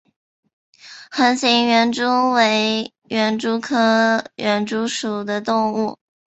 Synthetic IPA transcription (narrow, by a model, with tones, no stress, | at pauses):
xə˧˥nɕi˧˥ŋɥɛ˧˥nʈ͡ʂu˥we˧˥ɪ | ɥɛ˧˥nʈ͡ʂu˥kʰɤ˥ɥɛ˧˥nʈ͡ʂu˥ʂu˨˩d̪ə˦t̪ʊ˥˧ŋu˥˩